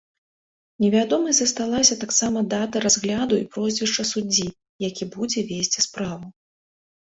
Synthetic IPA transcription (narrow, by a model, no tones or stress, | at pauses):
nʲɛvʲad̪ɔmɐjzɐst̪alˠasʲɐt̪aksamɐd̪at̪ɐɾazɣlʲad̪uḭpɾɔzʲvʲɛʂt͡ʂɐsud͡zʲi | jakʲibud͡zʲɛvʲesʲt͡sʲispɾavu